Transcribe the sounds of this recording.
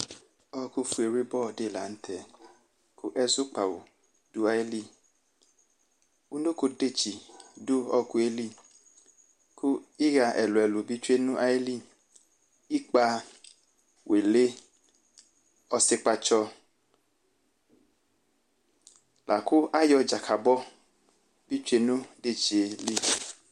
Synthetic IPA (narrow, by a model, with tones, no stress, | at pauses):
ɔ˦ku˦fu˦e˨ɾi˦bɔ˦˨de˦˨la̰˨n̩˦tʰɛ˨ | kʰʊ˦ʔɛ˦zʊ˦k͡pa˨wʊ̰˨ | d̥ʊ˦a˦jli˦˨ | u˦no˦ko˦de˦˨t͡ʃi˨dʊ˦ɔ˦ku˦e˦li˦˨ | kʰʊ˦i˦ɣa˧ʔɛ˨lʊ˨ɛ˨lu˨bi˦t͡ʃe˦nʊ˦ʔa˦jli˦ | i˦k͡pa˧ | wʔe˨le˦ | ɔ˧se˦k͡pa˧t͡ʃɔ˧ | lʔa˨ku˦a˦jɔ˧d͡ʒa˨kʰa˨bɔ˦ | bi˦t͡ʃu˦e˧nũ˦de˦t͡ʃi˨e˨li˦